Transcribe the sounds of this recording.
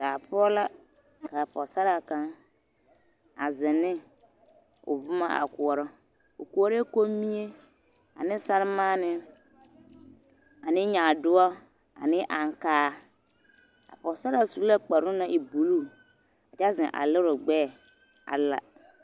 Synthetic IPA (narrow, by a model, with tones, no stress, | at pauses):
d̥a˨pʰɔ˦la˦ | kʰa˨pʰɔ˨sa˦ɾa˨kã˦ | a˨zɪ˨nɪ̃˦ | o̰˨bʊ˦mã˦a̰˨kʊ˨ɔ˨ɾɔ˦ | o˨ku˨˦ɔ˦ɾko˦mĩ˦e˦ | a̰˨nɪ̃˦sa˦ɾmã˦nɪ̃˦ | a˨nɪ̃˦ɲã˨dʊ˦ɔ˦ | a̰˨nɪ̃˦ʔã˨ŋ˨kaː˦ | a̰˨pɔ˨sa˦ɾa˨su˨u˦la˦k͡pa˨ɾʊ̃˦nã˦ʔe˨bu˨lu˦ | a˨t͡ʃa˦zɪ̰̃˨ʔa̰˨lɪ˦ɾɔ˨ɡ͡bɛː˦˨ | a̰˨la̰˨